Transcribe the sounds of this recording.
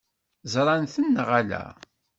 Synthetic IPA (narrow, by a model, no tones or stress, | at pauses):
zɾˤɑnθənːʁælæ̰